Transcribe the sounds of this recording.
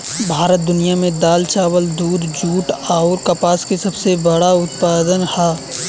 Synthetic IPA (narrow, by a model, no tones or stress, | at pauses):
bʱaːɾət̪̚d̪ʊnijamẽd̪aːlt͡ʃaːwəld̪uːd̪d͡ʒuːʈaːʊɾkɐpaːskisɐbsebəɽaʊt̪paːd̪ənhɛː